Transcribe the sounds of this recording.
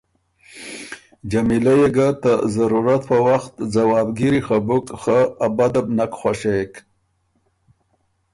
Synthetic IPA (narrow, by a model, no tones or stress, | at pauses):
d͡ʒamilajeɡat̪əzaɾuɾat̪̚pəwaxt̪zawɑːbɡiɾixabʊkxaabad̪abnakxʷwaʃek